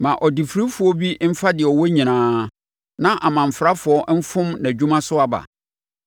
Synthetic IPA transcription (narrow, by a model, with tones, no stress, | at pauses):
mã˨ʔɔ˨di˨fɾi˦fʊ˨ɔ˦bi˦m̩˦fa˦dɪ˨ɛ˨ɔ˨wɔ˦ɲĩ˨nãː˦ | nã˦ʔa˨mã˨m̩˨fɾa˦fʊ˨ɔ˦ʔm̩˦fʊ̃˦mnæ̃˨d͡ʑᶣu˦mã˦sʊ˦a˨ba̰˨